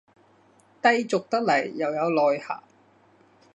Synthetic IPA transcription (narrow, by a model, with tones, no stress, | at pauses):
t̪ɐ˥˧jt͡sʊ˨k̚t̪ɐ˥k̚lɐ˨˩jːɐ˨˩wjɐ˨˧wlɔː˨jha̰ː˨˩